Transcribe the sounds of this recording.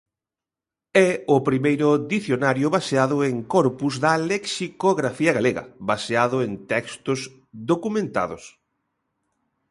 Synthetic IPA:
ɛʊpɾimejɾʊd̪iθjonaɾjʊβaseaðʊeŋkɔɾpuzðaleksikoɣɾafiɐɣaleɣɐ̰βaseaðʊent̪ɛkst̪ʊsz | d̪okumẽnt̪a̰ðʊ̰s

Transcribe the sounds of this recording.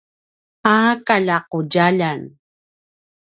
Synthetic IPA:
aːkaʎaqoɟaʎan

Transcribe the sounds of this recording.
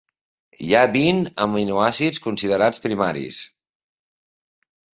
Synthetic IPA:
jaβinəminuasiskunsiðəɾat͡spɾimaɾḭs

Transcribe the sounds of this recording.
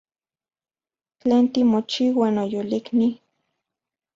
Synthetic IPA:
t͡ɬeːnt̪imot͡ʃiwaːnojolikni

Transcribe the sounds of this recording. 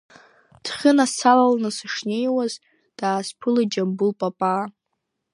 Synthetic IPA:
d̥χʲɪnasalalnɨsɨʂnejwaz | d̥aːzpʰɨlad͡ʒambulpʼapʼa

